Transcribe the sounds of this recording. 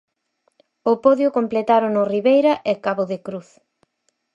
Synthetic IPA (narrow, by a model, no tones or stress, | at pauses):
ʊpoðjʊkomplet̪aɾʊnʊriβejɾɐʔekaβʊðɪkɾuθ